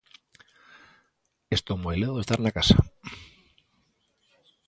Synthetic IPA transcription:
est̪omojleðoest̪aɾnakasa

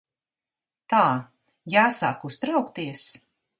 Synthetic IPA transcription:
t̪aː | jaːsaːkust̪ɾawkt̪iɛs

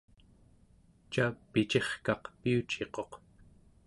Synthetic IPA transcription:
t͡ʃapit͡ʃe̞χkɑqpiut͡ʃe̞qo̞q

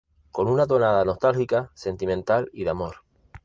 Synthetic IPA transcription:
ko̞nunat̪̬o̞naðano̞st̪alxikase̞nt̪imẽnt̪aliðamo̞ɾ

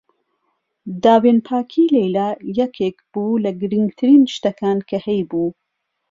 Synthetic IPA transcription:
d̪aːweːnpʰaːkʰiːlejlaːjɛkʰeːkb̥uːlɐɡɨɾɨŋɡt̪ʰɨɾiːnʃt̪ɐkʰaːnkʰɐhɛjbuː

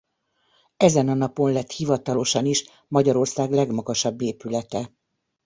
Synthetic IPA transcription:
ɛzɛnɒnɒponlɛt̪hivɒt̪ɒlo̞ʃɒniʃ | mɒɟɒɾo̞rsaːɡlɛɡmɒɡɒʃɒbːeːpylɛt̪ɛ

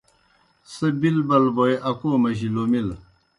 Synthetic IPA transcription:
sɐbilbɐlbojeʔɐkoːmɐɕilomil

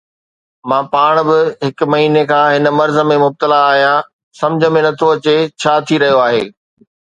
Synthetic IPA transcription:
mãːpaːɽ̃bɪɦɪkʊ̆mɐɦiːnekʰãːɦɪn̆mɐɾzə̆mẽmʊb̚t̪əlaːɦijã | sɐ̃md͡ʑʱə̆mẽnɐt̪ʰoɐt͡ɕet͡ɕʰaːt̪ʰiɾɐɦijoaːɦeː

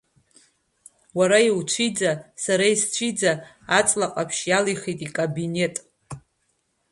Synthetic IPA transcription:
waɾaiwt͡ʃʷʰid͡zasaɾaist͡ʃʷʰid͡zaː | t͡sʼlaqʼapʰʃjalijχitʼikʼabine̞tʼ

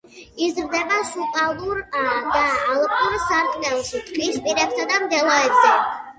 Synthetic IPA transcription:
izɾd̪ɛbaʃuqʼalˠuɾd̪aːlˠpʼuɾsaɾt̪ʼnɛlˠʃit̪ʼqʼispʼiɾɛbsad̪amd̪ɛlˠaɛbzɛ

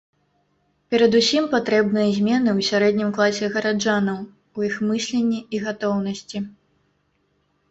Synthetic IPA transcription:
pʲɛɾɐd̪usʲimpat̪ɾɛbnɨjɐzʲmʲɛnɨwsʲaɾɛd̪ʲnʲimklˠasʲɛɣɐɾad͡ʐanɐw | ujixmɨsʲlʲenʲːiiɣat̪ɔwn̪ɐsʲt͡sʲi

